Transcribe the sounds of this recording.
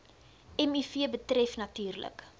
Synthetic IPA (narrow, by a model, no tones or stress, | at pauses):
ɛmifiəbətrɛfnɐtyːrlə̰k